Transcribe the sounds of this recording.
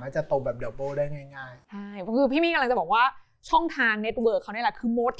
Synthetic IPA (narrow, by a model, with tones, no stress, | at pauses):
naː˥˩t͡ɕa˨˩t̪o˨˧˩bɛː˨˩p̚dɔ˨˩boː˥˩daː˥˩jŋaː˥˩ŋaː˥˩jt͡ɕʰa˥˩jkʰɯː˧pʰiː˥˩miː˦˥˩klŋt͡ɕa˨˩bɔː˨˩kwaː˥˩ | t͡ɕʰɔ˥˩ŋt̪ʰaː˧ŋne˦˥t̪̚wɤː˧˨˩kʰːa˥˩na˥˩la˨˩kʰɯː˧mo˦˥t̪̚